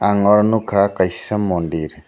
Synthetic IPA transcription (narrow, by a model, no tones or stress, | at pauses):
aŋɔɾnukʰakassamɔndiɾi